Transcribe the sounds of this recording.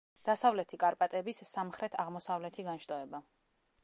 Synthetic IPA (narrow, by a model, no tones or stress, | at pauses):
d̪̥asavlɛt̪ʰikʼaɾpʼat̪ʼɛbisːamχɾɛt̪ʰaʁmɔsavlɛt̪ʰiɡanʃt̪ʼɔɛba